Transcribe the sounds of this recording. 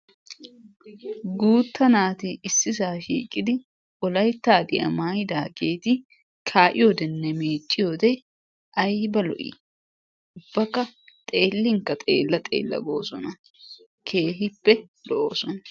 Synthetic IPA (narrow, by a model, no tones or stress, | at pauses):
ɡuːt̪ːɐnaːt̪ɪɪsːɪsaːʃḭːkʼɪd̪ɪ | ɔlɐjt̪ːaːd̪ɪʔɐ̰maːjd̪aːɡe̞ːt̪ɪ | kʰaːʔɪjɔd̪ɛnːɛmeːt͡ʃʼːɪjod̪ɛ | ʔɐjbɐlɔ̰ʔḭ | ʊb̥ːɐkːɐt̪ʼe̞ːlːɪŋkːɐt̪ʼe̞̰ːlːɐt̪ʼe̞̰ːlːɐ̰ɡo̞ːsɔnɐ | kʰe̞ːɦɪpːɛ | lɔʔo̰ːsɔnɐ